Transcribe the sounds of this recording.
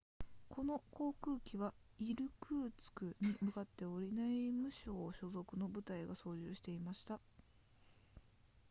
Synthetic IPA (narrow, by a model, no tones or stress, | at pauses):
kʰo̞no̞ko̞ːkɯ̟ːkʲiβa | iɾɯ̟kɯːt͡sɨ̥kɯ̟ɲ̟imɯ̟kat̪ːe̞o̞ɾʲinaimɯ̟ɕo̞ːɕo̞zo̞kɯ̟no̞bɯ̟t̪aiɡaso̞ːʑɨːɕi̥t̪e̞imaɕi̥t̪a